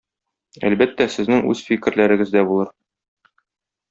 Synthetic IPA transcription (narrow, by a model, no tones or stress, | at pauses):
æ̰lbæt̪ːæsɘ̆znɘŋʉ̰z̥fikɘ̆ɾlæɾɘ̆ɡɘ̆zd̪æbulˠɤɾ